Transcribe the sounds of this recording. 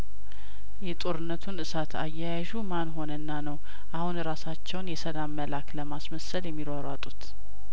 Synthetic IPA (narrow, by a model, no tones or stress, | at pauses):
jɛt̪ʼo̞ɾɨnːət̪ʰunʔɨsat̪ʰa̰jːajaʒumanɦo̞nənːanəw | ʔahunɾasat͡ʃːɛwnjɛsəlamːəlakləmasməsəljɛmːiɾaɾat̪ʼut̪